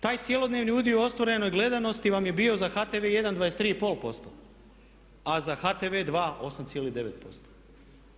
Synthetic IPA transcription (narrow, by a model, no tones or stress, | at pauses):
t̪aːjt̪sje̞lˠo̞d̪neːʋniud̪ioo̞st̪ʋoɾe̞no̞jɡle̞d̪ano̞st̪iʋamje̞bio̞zaxat̪e̞ʋeje̞d̪and̪ʋajest̪ɾiːipo̞ːlpo̞st̪o̰ | azaxat̪eʋe̞ːd̪ʋaːo̞samt̪sjelid̪e̞ʋe̞t̪po̞̰st̪o̥